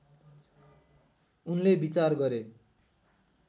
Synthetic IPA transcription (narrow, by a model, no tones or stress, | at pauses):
unlebit͡sarɡʌɾe